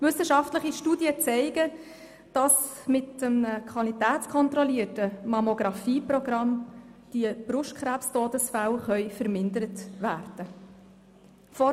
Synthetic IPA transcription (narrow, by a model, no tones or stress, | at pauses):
ʋʏsəʃɑftləχiʃtuːdjət͡sɛɪɡə | d̥ɑsmɪtəmnəkʰχwʋɑlitæːtt͡skʰɔnt̪rɔliətəmɑmoɡɾɑfiːprɔɡɾɑmd̥iəb̥ɾʊʃtkχɾæːpstoːdəsfælχœʏfəɾmɪndəɾətʋæːrd̥ə | fɔ